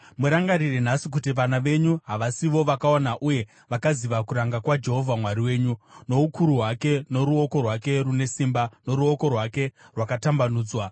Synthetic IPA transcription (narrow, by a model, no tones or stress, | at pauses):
muɾaŋɡarirenasik̬ut̬iʋanaʋe̞ɲuɦaʋasiʋoʋakaonaʔuje̞ | ʋakaziʋakuɾaŋɡakwad͡ʒe̞ɦo̞vʱamwaɾiwe̞ːɲuno̞ukuɾuɦwake̞no̞ɾuo̞ko̞rwake̞rune̞simbano̞ɾuo̞ko̞rwake̞rwakatambanuːd͡zwa